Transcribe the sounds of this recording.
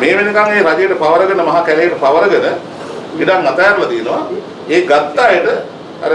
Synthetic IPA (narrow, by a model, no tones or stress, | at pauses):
meːʋenekaŋeːɾad͡ʒejəʈəpaʋəɾəɡənəmɐɦakælejəʈəpaʋəɾəɡənə | piɖaŋmɐt̪ajaɾulat̪ijenəʋa | eːɡat̪ːaːjəʈə | a̰ɾə